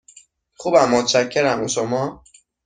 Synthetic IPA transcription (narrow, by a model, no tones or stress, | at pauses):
χubæmːot̪t͡ʃækʰːeɾæmuʃomɒː